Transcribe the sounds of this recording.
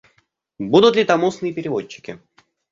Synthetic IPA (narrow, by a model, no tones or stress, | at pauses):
bud̪ʊt̪lʲɪt̪ɐmusnɨjəpʲɪɾʲɪvot͡ɕːɪ̥kʲɪ̰